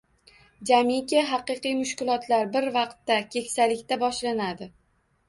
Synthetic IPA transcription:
d͡ʒamikʲɪɦɑqɨqɨjmʊʃkʲɪlˠɒt̪laɾbɪɾvɑqt̪ːakʲʰe̞kʲsalɪkʲt̪abɒʃlanad̪ɪ

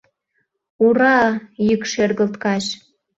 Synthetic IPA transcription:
uɾɑjykʃerɣə̆lt̪kɑʃ

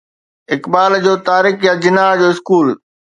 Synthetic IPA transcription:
ɪkbaːld͡ʑoːt̪aːɾɪkjad͡ʑɪnaːɦd͡ʑoːɪskuːl

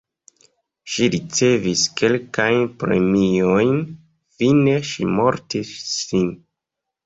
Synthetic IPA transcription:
ʃiɾit͡se̞viske̞lkajnpɾe̞̰miojn | fine̞ʃimo̞ɾtisːin

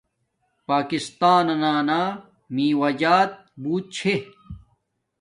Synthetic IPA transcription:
paːkist̪aːnɐnaːnaː | mĩːwɐd͡ʑaːt̪̚buːt̪̚t͡ɕʰe

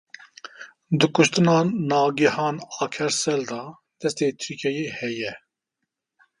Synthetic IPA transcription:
d̪ɨkʰʊʃt̪ɨnɑːnɑːɡihɑːnɑːkʰɛɾsɛld̪ɑː | d̪̥ɛst̪eːt̪ʰyɾkʰɛjeːhɛjɛ

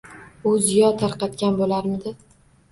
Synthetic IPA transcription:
ʊzijɒt̪ʰaɾqɑt̪kʲanbolaɾmɪd̪ɪ

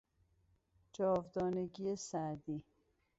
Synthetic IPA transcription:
d͡ʒɒːvd̪ɒːneɡiesæd̪iː

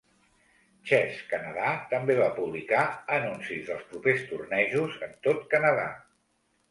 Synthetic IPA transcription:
t͡ʃɛskənəðat̪əmbeβapuβ̞likaənunsizðəlˠspɾupest̪urnɛʒuzənt̪ot̪kənəða̰

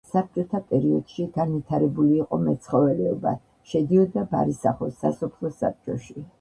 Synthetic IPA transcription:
sap̚t͡ʃʼɔt̪ʰapʼɛɾiɔd̪̥ʃiɡanvit̪ʰaɾɛbuliːqʼɔmɛt̪sʰχɔvɛlɛɔba̰ | ʃɛd̪iɔd̪aba̰ɾisaχɔsːasɔpʰlˠɔsa̰p̚t͡ʃʼɔʃi

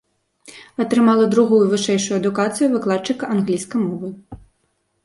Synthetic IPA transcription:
ɐt̪ɾɨmalˠɐd̪ɾuɣujuvɨʂɛjʂujuɐd̪ukat̪sɨjuvɨklˠat̪̚t͡ʂɨkɐanɣlʲijskɐjmɔvɨ

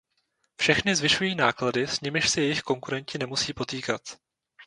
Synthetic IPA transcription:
fʃɛxnɪzvɪʃujiːnaːkladɪsɲɪmɪʃsɛjɛjɪxko̞ŋkuɾɛɲcɪnɛmusiːpo̞t̪iːkat̪

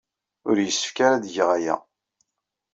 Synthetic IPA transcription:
ʊɾjəsːə̥fkaɾad̪ʝʁajæ̰

